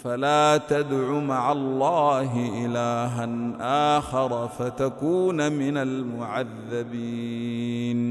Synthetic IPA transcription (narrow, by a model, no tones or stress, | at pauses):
falaːt̪ad̪ʕumaʕalˤːaːɦɪʔɪlaːɦanʔaːxɑɾˤfat̪akuːnmɪnalmʊʕaðːabi | n